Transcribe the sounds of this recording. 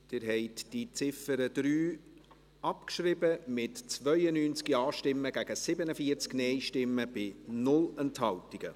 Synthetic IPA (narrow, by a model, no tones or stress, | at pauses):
d̥ɪɾɦɛɪtd̥it͡sɪfəɾəd̥ɾyː | ɑpkʃrɪbəmɪtt͡svœʏənyːnt͡skiɑːʃtɪmːəɡ̥æɡ̥əsɪbənəfiəɾt͡sknɛɪʃtɪmːəb̥ɪnʊlənthɑltiɡ̥ə